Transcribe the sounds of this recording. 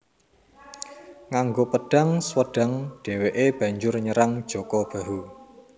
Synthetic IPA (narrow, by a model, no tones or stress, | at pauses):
ŋaŋɡopəɖ̥a̤ŋswəɖ̥a̤ŋɖ̥e̤weʔeb̥a̤ɲd͡ʒʊrɲəɾaŋd̥ʒ̥o̤kɔb̥a̤ɦu